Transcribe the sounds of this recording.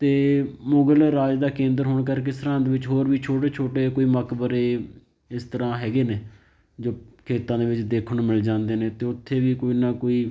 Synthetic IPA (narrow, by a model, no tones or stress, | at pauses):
t̪eːmʊɡəlɾaːd͡ʒd̪aːkẽːnd̪əɾɦoːɳkəɾkɪst̪ɾãːd̪eːʋɪt͡ʃɦoːɾʋiːt͡ʃʰoːʈeːt͡ʃʰoːʈeːkoːiːməkbəɾeː | ɪst̪əɾãːɦɛːɡeːneː | d͡ʒoːkʰeːt̪ãːd̪eːʋɪt͡ʃd̪eːkʰɳõːmɪld͡ʒãːnd̪eːneːt̪eːʊt̪ʰːeːʋiːkoːiːnaːkoːiː